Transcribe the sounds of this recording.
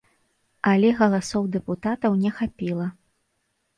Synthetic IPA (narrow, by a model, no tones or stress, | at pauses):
ɐlʲɛɣɐlˠasɔwd̪ɛput̪at̪ɐwnʲɛxapʲilˠɐ